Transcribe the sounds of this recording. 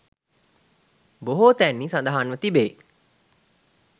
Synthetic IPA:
boɦot̪æːnːiːsɐnd̪aɦanʋət̪ibeː

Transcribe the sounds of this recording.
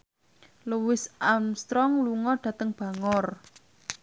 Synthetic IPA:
luwɪsamst̪ɾɔŋluŋɔɖ̥ä̤t̪əŋb̥ä̤ŋɔr

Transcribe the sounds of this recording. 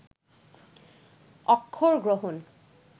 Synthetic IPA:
ɔkʰːoɹɡɹoɦun

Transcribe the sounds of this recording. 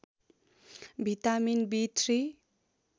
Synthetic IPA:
bʱit̪aminbit̪ʰri

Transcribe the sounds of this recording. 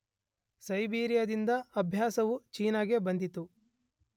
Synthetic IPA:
sɐjbiːɾijɐd̪ind̪ɐːbʱjaːsɐʋut͡ʃiːnaːɡebɐnd̪it̪u

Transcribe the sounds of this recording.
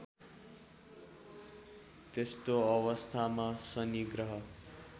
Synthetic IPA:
t̪est̪oʌwʌst̪ʰamasʌniɡrʌɦʌ

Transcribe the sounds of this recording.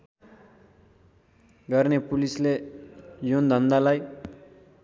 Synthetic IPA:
ɡʌrnepulisle | jond̪ʱʌnd̪alaj

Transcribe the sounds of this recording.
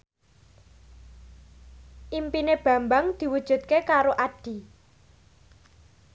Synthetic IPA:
ʔimpineb̥ä̤mbaŋd̪̥i̤wud̥ʒ̥ṳt̪̚kekaɾoʔaɖ̥i̤

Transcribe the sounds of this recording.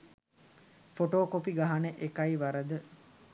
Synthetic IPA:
foʈoːkopiɡaɦanəʔekajiʋaɾəd̪ə

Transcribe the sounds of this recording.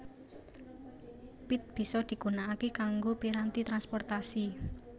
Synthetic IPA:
pit̪̚b̥i̤sɔd̪̥i̤ɡ̥unaːkikaŋɡopiɾant̪it̪ɾanspɔrt̪asi

